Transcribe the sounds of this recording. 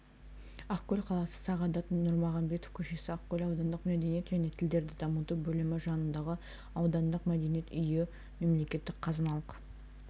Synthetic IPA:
ɑqkʰʲːɵlʲqʰɑlˠɑsə̥sɑʁɑd̪ɑt̪nʊɾmɑʁɑmbe̞t̪ofkʲʰɵʃe̞sɪɑqkʲʰɵlɑwd̪ɑnd̪əqmæd̪e̞nijet̪ʒæne̞t̪ʰɪld̪e̞ɾd̪ɪd̪ɑmət̪ubɵlɪmɪʒɑnənd̪ɑʁə | ɑwd̪ɑnd̪əqmæd̪e̞nije̞t̪ʏjɪ | me̞mle̞kʲe̞t̪ːɪk̚qʰɑzɑnɑlˠəq

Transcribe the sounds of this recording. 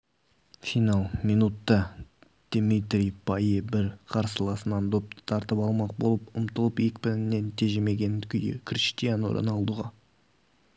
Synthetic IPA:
fijnɑlˠminut̪ːɑ | d̪̥mit̪rʲijpʰɑjibɪɾqʰɑɾsəlˠɑsənɑnd̪op̚t̪ə̥t̪ʰɑɾt̪əpɑlˠmɑq̚bo̞lˠəpʊmt̪əlˠəpjekʲpɪɾɪnːe̞nt̪ʰe̞ʒeme̞ɡʲe̞nkʲʰʏjɪ̰kʲʰrʲiʃt̪ijano̰ɾə̰nɑlˠd̪uʁɑ

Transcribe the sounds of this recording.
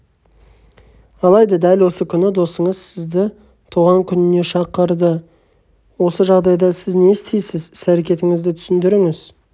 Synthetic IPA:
ɑlˠɑjd̪ɑd̪ælwo̞səkʲʰʏnɪd̪o̞səɴəzsɪzd̪ɪ | t̪ʰuʁɑŋkʲʰʏnɪne̞ʃɑqəɾd̪ə | wo̞səʒɑʁd̪ɑjd̪ɑsɪzne̞st̪ejsɪzsæɾe̞kʲe̞t̪ɪŋɪzd̪ɪt̪ʰʏ̥sɪnd̪ɪɾɪŋɪz̥

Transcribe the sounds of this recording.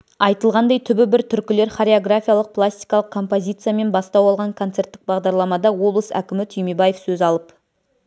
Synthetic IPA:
ɑjt̪əlˠʁɑnd̪ɑjt̪ʰʏbɪbɪɾt̪ʰʏɾkʲɪle̞ɾχaɾʲeoɡrafʲijalˠəq̚pʰlˠasʲt̪ijkɑlˠəq̚kʰo̞mpo̞zʲijt̪sɨjame̞nbɑst̪ɑwɑlˠʁɑŋkʰo̞nt̪se̞ɾt̪ːɪk̚bɑʁd̪ɑɾlˠɑmɑd̪ɑwo̞blˠəsæ̰kʲɪmɪt̪ʰʏjmebajefsɵzɑlˠəp

